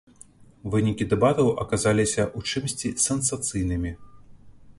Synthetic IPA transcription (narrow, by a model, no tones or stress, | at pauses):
vɨnʲikʲid̪ɛbat̪ɐwʔɐ̰kazalʲisʲɐʔut͡ʂɨmsʲt͡sʲisɛnsat̪sɨjnɨmʲi